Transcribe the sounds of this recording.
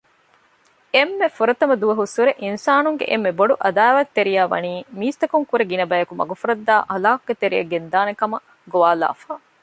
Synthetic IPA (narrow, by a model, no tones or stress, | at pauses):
emːefuɾɐt̪ɐmɐd̪uʋɐɦusuɾeʔinsaːnuŋɡḛʔemːeboɖuʔɐd̪aːʋɐt̪ːeɾijæːʋɐ̰niːmiːst̪ɐkuŋkuɾeɡinɐbæjɐkumɐ̰ɡufuɾɐd̪ːaːʔɐlaːkuɡet̪eɾijɐ̰ɡend̪aːnekɐmɐ | ɡoʋaːla̰ːfaː